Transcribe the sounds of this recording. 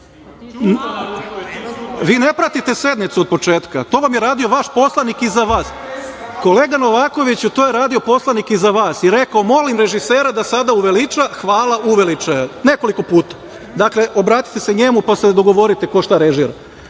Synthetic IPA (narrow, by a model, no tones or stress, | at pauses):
ʋiːnepɾat̪it̪e̞se̞d̪nit̪suod̪̚po̞t͡ʃeːt̪kat̪o̞ʋamjeɾaːd̪io̞ʋaʃpo̞slˠanikizaʋaːs | ko̞le̞ːɡano̞ʋaːko̞ʋit͡ɕut̪oːjeɾaːd̪io̞po̞slˠanikizaʋaːsiɾe̞kaomo̞limɾe̞ʒiseːɾad̪asad̪auʋelit͡ʃaxʋaːlˠaʔuʋelit͡ʃajane̞ko̞liko̞puːt̪ḁ | d̪akle̞ʔo̞bɾaːt̪i̥t̪e̞seɲe̞mupased̪o̞ɡo̞ʋo̞ɾit̪eko̞ʃt̪aɾeʒiɾa̰